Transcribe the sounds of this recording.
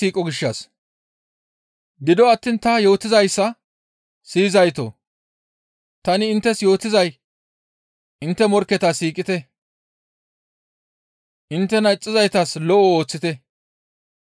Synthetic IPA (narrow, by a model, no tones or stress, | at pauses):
iːkʼɔɡɪʃːɐs | ɡɪd̪ɔɐt̪ːiːnt̪ɐjo̞ːt̪ɪzɐjsːɐ | siːzɐjt̪o̰ | t̪ɐnɪːnt̪ːɛsjo̞ːt̪ɪzɐj | ʔɪnt̪ːɛmɔɾkːɛt̪asiːkʼɪt̪ɛ | ʔɪnt̪ːɛnɐɪt͡sʼːɪzɐjt̪ɐslɔʔɔoːt͡sːɪt̪ɛ